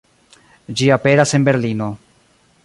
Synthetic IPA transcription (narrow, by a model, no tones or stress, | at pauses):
d͡ʒiape̞ɾase̞nbe̞ɾlino̞